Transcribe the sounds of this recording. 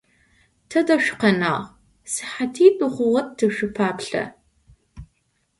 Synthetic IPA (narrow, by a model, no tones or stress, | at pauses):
tʰɐdɐʃʷᶣʊ̥qɐna̰ːʁ | sɨ̥ħatʰiːbɨχʷʊʁɐt̚tʰːɨʃʊpʰaːpɬɐ̰